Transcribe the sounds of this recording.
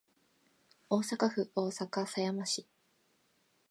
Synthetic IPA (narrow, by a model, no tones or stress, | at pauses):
oːsakaɸɯ̟o̞ːsakasajamaɕi